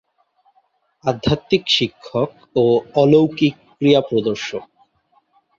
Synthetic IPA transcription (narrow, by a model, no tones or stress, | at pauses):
ad̪ʱːat̪ːikʃikʰːok | oɔlowkikːɾijapɾod̪oɾʃo